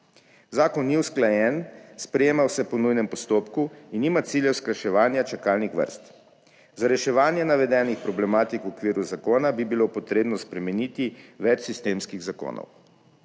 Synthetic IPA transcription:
zaːkɔnːiwsklajɛnspɾɛjeːmawsɛpɔnujnɛmpɔst̪oːpkuinːiːmat̪siːljɛwsklaʃɛʋaːnjat͡ʃakaːlnixʋə̰ɾst̪ | zaɾɛʃɛʋaːnjɛnaʋɛd̪ɛnixpɾɔblɛmaːt̪ikwɔkʋiːɾuzakoːnabibilopɔt̪ɾeːbnɔspɾɛmɛniːt̪iʋɛt͡ʃsist̪eːmskiɣzako̰ːnʔɔ̰w

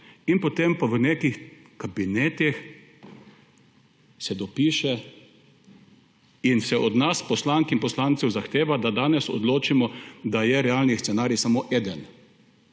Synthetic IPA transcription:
inpot̪empaʋənekix | kabinet̪ix | sɛd̪ɔpiːʃɛ | insɛʔɔd̪naspɔslaŋkinpɔslant̪sɛwzaxt̪eːʋad̪ad̪aːnɛsɔ̰d̪loːt͡ʃimɔd̪ajɛɾɛaːlnist̪sɛnaːɾjisamoːʔɛːd̪ɛn

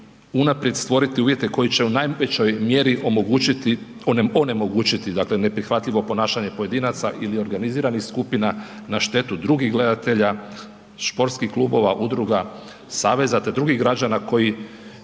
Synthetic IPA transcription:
unapɾjed̪st̪ʋo̞ɾit̪iuːʋje̞t̪e̞ko̞jit͡ɕe̞unajʋet͡ɕo̞jmje̞ɾiʔomoɡuit̪i | one̞mo̞ɡuːt͡ʃit̪id̪akle̞ne̞pɾixʋat̪ʎiʋo̞po̞naːʃaɲe̞po̞je̞d̪iːnat̪saʔilio̞ɾɡaniziːɾanixskupina | naʃt̪e̞t̪ud̪ɾuɡiɣɡle̞d̪at̪e̞ʎa | ʃpo̞ɾt̪skixklˠuːbo̞ʋaʔud̪ɾuɡa | saːʋe̞zat̪e̞d̪ɾuɡiɡɾad͡ʑanako̞ji

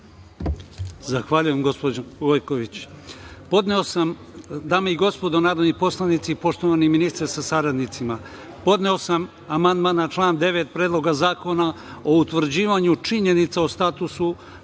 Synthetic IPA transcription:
zaxʋaːʎujemɡo̞spod͡ʑoʋojko̞ʋit͡ɕ | po̞d̪neo̞sam | d̪aːmeiɡo̞spo̞d̪o̞naːɾod̪nipo̞slˠanit̪sipo̞ʃt̪o̞ʋaniminist̪ɾasasaɾad̪nit̪sima | po̞d̪neo̞sam | amand̪maːnat͡ʃlˠaːnd̪e̞ʋet̪̚pɾeːd̪lˠo̞ɡazaːko̞na | out̪ʋr̩d͡ʑiːʋaɲut͡ʃiɲe̞nit̪saost̪at̪usu

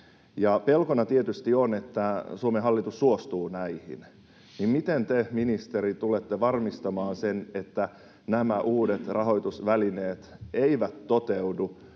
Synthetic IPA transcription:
jɑpelkonɑt̪iet̪yst̪ionet̪ːæsuomeɦɑlːit̪usːuost̪uːnæihḭn | nimmit̪ent̪eminist̪eɾit̪ulet̪ːeʋɑrmist̪ɑmɑːnsenet̪ːæ | næmæʔuːdet̪rɑɦo̞jt̪usʋælineːt̪eiʋæt̪ːot̪eudu

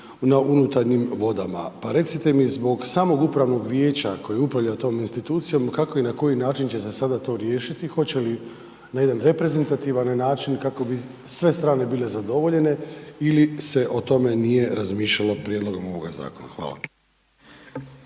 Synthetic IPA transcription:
naʔunut̪aɾɲimʋo̞d̪ama̰paɾe̞t̪sit̪e̞mizbo̞ɡsaːmo̞ɡupɾaʋno̞ɡʋje̞ːt͡ɕako̞jieupɾaʋʎat̪o̞ːminst̪it̪uːt̪sijo̞mkako̞inako̞jinaːt͡ʃint͡ɕe̞se̞sad̪at̪o̞ɾje̞ːʃit̪ixo̞t͡ɕe̞li | naje̞d̪anɾe̞pɾe̞ze̞nt̪at̪iʋanːaːt͡ʃinkako̞bi | sʋe̞st̪ɾaːne̞bile̞zad̪o̞ʋo̞ʎe̞ne̞ilise̞ʔo̞t̪o̞me̞nije̞ɾazmiːʃʎalo̞pɾʲjed̪lo̞ɡo̞mo̞ʋo̞̰ɡa̰za̰ːko̞na̰xʋa̰ːlˠa̰

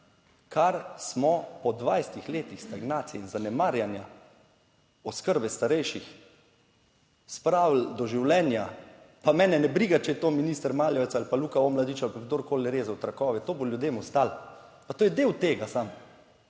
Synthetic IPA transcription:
kʰaɾsmɔpɔd̪ʋajst̪ixleːt̪ixst̪aɡnaːt̪sijɛinzanɛmaːɾjanja | ɔskəɾbɛst̪aɾɛjʃix | spɾaːwl̩d̪ɔʒiwlɛːnja | pamɛːnɛnɛbɾiːɡat͡ʃɛjɛt̪oːminiːst̪əɾmaːljɔʋɛt̪salpaluːkaomlad̪it͡ʃalpaɡd̪oɾkoːlnɛɾeːzawt̪ɾakɔːʋɛt̪oːboljʊd̪eːmɔst̪al | pat̪oːjɛd̪eːwt̪eːɡasam

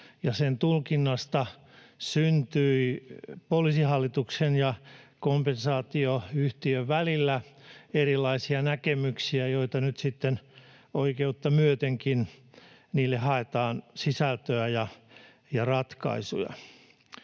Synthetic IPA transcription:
jɑsent̪ulkinːɑst̪ɑ | synt̪yipolisihɑlːit̪uksenjɑkompensɑːt̪ioyht̪iøʋʋælilːæerilːɑisiɑnækemyksiæjoit̪ɑnyt̪sit̪ːen | oikeut̪ːɑmyøt̪eŋkin | niːlːehɑet̪ɑːnsisælt̪øæjɑ | jɑrɑt̪kɑ̰isṵjɑ̰

